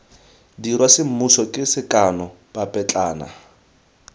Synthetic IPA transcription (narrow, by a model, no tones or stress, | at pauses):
dirwasɪm̩musɔkʼɪsɪkʼanɔ | bapʼɛt͡ɬʼaːna̰